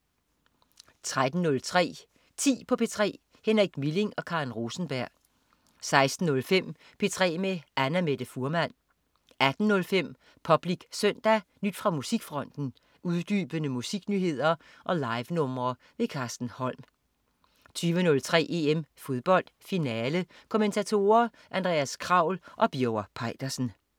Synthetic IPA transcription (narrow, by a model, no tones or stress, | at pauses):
t͡sʰʁad̥n̩nɔ̽lt͡sʰʁɛ̰ː | t͡sʰḭːpʰɒ̽pʰe̝ːt͡sʰʁɛ̰ː | henʁiɡ̥mile̝ŋɒ̽kʰɑ̈ʁinʁo̝ːsn̩b̥æɐ̰ | sɑ̈ɪsd̥n̩ːɔ̽lfem̰ | pʰe̝ːt͡sʰʁɛ̰ːmeænæmed̥əfuɐmæn̰ | ʔæd̥n̩nɔ̽lfem̰ | pʰɒ̽b̥liɡ̥søn̰d̥ænyd̥fʁɑ̈musiɡ̥fʁɒ̽n̰d̥n̩ | ʔuðˠd̥yːb̥ənəmusiɡ̥nyːhe̝ð̞̰ˠɐ | ʔɒ̽lɑ̈ɪʋnɔ̽mɐː | ʋe̝kʰɑ̈ːsd̥n̩hɒ̽l̰m | t͡sʰyːʋənɔ̽lt͡sʰʁɛ̰ːʔe̝emfo̝ðˠb̥ɒ̽l̰d̥finɛːlə | kʰo̝ment͡sʰæt͡sʰo̝ːɐ | ʔænd̥ʁɛ̰ːæskʰʁɑ̈ʊ̰lʔɒ̽b̥joʊɐpʰɑ̈ɪd̥ɐsn̩